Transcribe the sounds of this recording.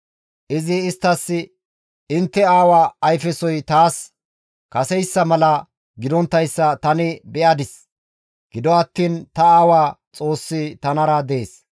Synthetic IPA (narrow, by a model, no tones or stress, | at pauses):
ʔɪzɪːst̪ːɐsːɪ | ɪnt̪ːɛaːwaːjfɛsɔjt̪aːs | kɐsɛjsːɐmɐlɐ | ɡɪd̪ɔnt̪ːɐjsːɐt̪ɐnɪbɛʔɐd̪ɪs | ɡ̥ɪd̪ɔɐt̪ːiːnt̪ɐaːwaːt͡sʼo̞ːsːɪt̪ɐnɐɾɐd̪eːs